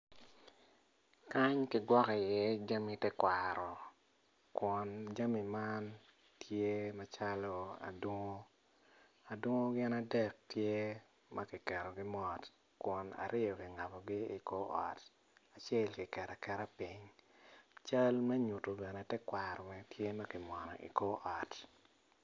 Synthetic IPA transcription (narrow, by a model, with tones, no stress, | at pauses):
ka˦ɲkɪ˨ɡwɔ˦ki˨jɛ˦d͡ʒa˦mi˨tɛ˦kwaɾɔ˨ | kwɔ˨nd͡ʒa˦mi˨ma˦n | tje˦ma˨t͡ʃa˦lo˦a̰˨dwo˦ŋo˦ | a˨dwo˦ŋo˦ɡɪ˦na˦dɛ˦˨k̚tje˦ | mʔa˦kɪ˨kɛ˨ɾɔ˨ɡɪ˦mɔ˨t | kwɔ˨na̰˨ɾɪ˦o˨kɪ˨ŋa˨bɔ˨ɡɪ˦i˨ko˦ɔ̰˨t | a˨t͡ʃɛ˦lkɪ˨kɛ˨ɾa˨kɛ˨ɾa˦pi˦ɲ | t͡ʃa˦lmɛ˦ɲu˨to˨bɛ˨nɛ˨tɛ˦kwaɾɔ˨mɛ˨tʰje˦mɐ˦kɪ˨mwɔ˨nɔ̰˨ḭ˨ko˦ʔɔ˨t